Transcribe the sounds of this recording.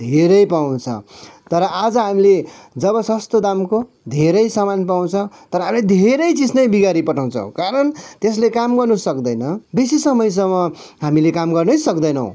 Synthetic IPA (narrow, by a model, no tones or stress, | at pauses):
d̪ʱeɾʌjpaw̃t͡sʰʌ̰t̪ʌɾʌʔad͡zʌɦamile | d͡zʌβʌsʌst̪od̪amko | d̪ʱeɾʌjsamanpaw̃t͡sʰʌt̪ʌɾʌɦamiled̪ʱeɾʌjt͡sid͡znʌjbiɡaɾipʌʈʰaw̃t͡sʰʌ̰w̃kaɾʌnt̪eslekamɡʌrnusʌkd̪ʌjnʌbisisʌmʌjs̬ʌmːʌ | ɦamilekamɡʌrnʌjsʌkd̪ʌjnʌw̰̃